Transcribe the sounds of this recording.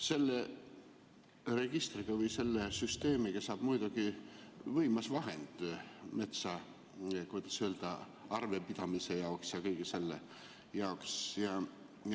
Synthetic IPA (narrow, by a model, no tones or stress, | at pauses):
se̞lːe | re̞ɡ̥ist̪riɡ̥ɑvɯjse̞lːesyst̪e̞ːmikesːɑːb̥mujd̪uɡ̥ivɤjmɑsvɑɦe̞nd̪̥me̞t̪sɑ | kujd̪̥ɑsøld̪̥ɑ | ɑrve̞pid̪̥ɑmise̞jɑoksjɑkɤjɡ̥ise̞lːe | jɑoksjɑ